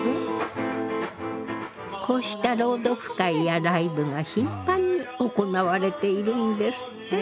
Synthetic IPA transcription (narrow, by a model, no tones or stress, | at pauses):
kʰo̞ːɕi̥t̪aɾo̞ːd̪o̞ɸɯ̥kaijaɾaibɯ̟ɡaçĩmpãɲ̟ːio̞ko̞naβaɾe̞t̪e̞iɾɯ̟̃nd̪e̞sɨ̥t̪ːe